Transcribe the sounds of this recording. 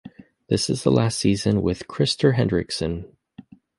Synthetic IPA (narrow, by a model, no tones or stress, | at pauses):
ðɪsɨzðəlæstsizɨ̃nwɪð̥kʰɹ̥ɪstə˞ɦɛ̃ndɹɨksɨ̃n